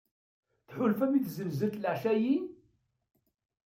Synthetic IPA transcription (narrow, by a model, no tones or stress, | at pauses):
θħʊlfæmiθzəlzəɾt̪ləʕʃæjin